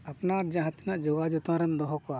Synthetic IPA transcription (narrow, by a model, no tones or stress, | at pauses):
apnaɾd͡ʒaɦãt̪inaʔd͡ʒɔɡad͡ʒɔt̪ãɾɛnd̪ɔɦɔkɔa